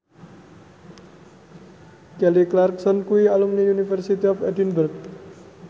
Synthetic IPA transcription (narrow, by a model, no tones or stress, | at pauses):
kɛliklarksɔnkuialumniunifərsit̪iɔfɛdinbərk̚